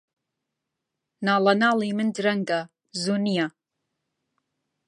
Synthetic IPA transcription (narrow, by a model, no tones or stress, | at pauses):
naːlanalimɨndrɐŋɡa | zunija